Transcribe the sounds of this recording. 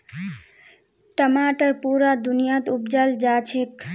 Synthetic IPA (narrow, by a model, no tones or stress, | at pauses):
ʈəmaːʈəɾpuɾad̪unijat̪upd͡ʒald͡ʒat͡ʃʰek